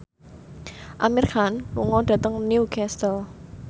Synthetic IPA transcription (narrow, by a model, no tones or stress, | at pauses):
ʔamiɾkʰanwṵŋɔɖ̥ä̤t̪əŋniukʰɛst̪əl